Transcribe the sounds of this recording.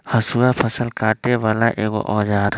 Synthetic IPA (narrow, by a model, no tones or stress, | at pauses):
hɐsuapʰəsəlkaːʈeʋaːlaʔeːɡo̰ʔɔːd͡ʒaːɾ